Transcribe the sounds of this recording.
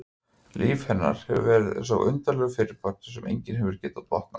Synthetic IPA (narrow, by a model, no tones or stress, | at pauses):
lʔiːfhɛnːa̰ɾ̥hɛvʏvɛːɾɪð̰saɣʔʏnt̪alɛɣfɪɾɪɾ̥pʰœk̚t̪ʏ̥sɛmʔḛjɲcɪnɦɛvʏɾ̥cɛːt̪at̪vɔht̪̚na̰